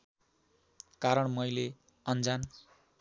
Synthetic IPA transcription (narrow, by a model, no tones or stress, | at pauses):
kaɾʌɳmʌjle | ʌnd͡zan